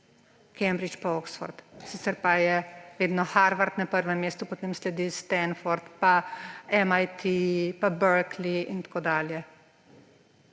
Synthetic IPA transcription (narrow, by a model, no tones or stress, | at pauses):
kɛmbɾit͡ʃpaoksfɔ̰ɾt̪siːt̪sɛɾpajɛʋeːd̪nɔxaɾʋaɾt̪napəɾʋɛmːeːst̪upɔt̪eːmslɛd̪ist̪ɛnfɔɾt̪paɛmajt̪ʰipabəɾkliint̪ḁkoːd̪aːljɛ